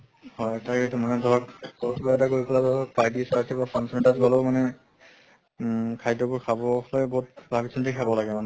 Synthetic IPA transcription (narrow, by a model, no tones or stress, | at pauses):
hɔjtaketumanɛdʱɔɹɔkkɔtʰibaɛtaɡoɹikʰɔladɔɹɔk̚pajdisaɹsʰibafʰɹansɛntazɡɔlɔmanɛ | kʰajdɔbɔɹkʰabɔlɔjbɔɦutbʱabisʰintikʰabɔlaɡɛmanɛ